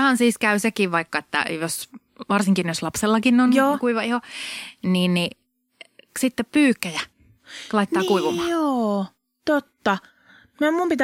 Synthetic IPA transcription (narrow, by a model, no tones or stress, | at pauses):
hɑnsiːskæysekiʋʋɑikːɑet̪ːæ̰jos | ʋɑrsiŋkinjoslɑpselːɑkinːonoːkuiʋɑihoniːnni | sit̪ːeppyːkːæjæ | lɑit̪ːˑɑːkuiʋumɑːoː | t̪ot̪ːɑ | mæmumpit̪